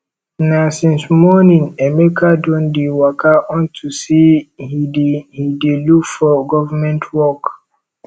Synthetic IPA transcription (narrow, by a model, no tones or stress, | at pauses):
nasĩnsmɔnĩŋɛmekʰadɔ̃ndiwakʰaʔɔ̃ntʰusihidihidilukfɔɡɔvamɛ̃ntʰwɔk